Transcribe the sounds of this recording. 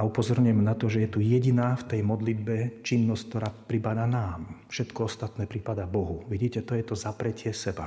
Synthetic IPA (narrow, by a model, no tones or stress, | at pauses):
aupɔzɔɾɲʊjɛmnat̪ɔʒɛjɛt̪ujɛɟinaːft̪ɛjmɔd̪lid̪bɛt͡ʃinːɔsck̚t̪ɔɾaːpɾipad̪anaːmfʃɛt̪kɔɔst̪at̪nɛːpɾipad̪abɔɦuʋiɟiːcɛt̪ɔjɛt̪ɔzapɾɛcɪɛsɛba̰